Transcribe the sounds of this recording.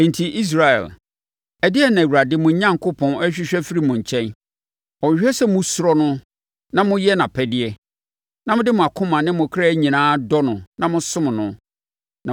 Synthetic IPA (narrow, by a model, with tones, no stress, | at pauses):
ɛ̃˨ntʰi˨ʔi˦s̬ɾa˨ɛ̰˨l | ɛ˨dɪ˦ɛ˦˨nã˨wu˨ɾa˨dɪ˦mʊ̃˨˦ɲã˦ŋkʰʊ˦pʰɔ̃˨nɛ˦ɕᶣɪ˦ɕᶣɛ˦fi˦ɾi˦mʊ̃˨ɲ˨t͡ɕʰɛ̃˦n | ɔ̃˨ɕᶣɛ˦sɛ˦mʊ̃˦sʊ˦ɾɔ˦nʊ̃˦ | nã˦mʊ̃˦jɛ˦nã˨pʰɛ˦dɪ˦ɛ˦ | nã˦mʊ̃˦dɪ˦mʊ̃˨a˨kʰʊ̃˦mã˨nɪ̃˦mʊ̃˨kʰɾaː˦ɲĩ˨nãː˦dɔ˦nʊ̃˨nã˦mʊ̃˦sʊ̃˦m̃˨nʊ̃˨ | nã˨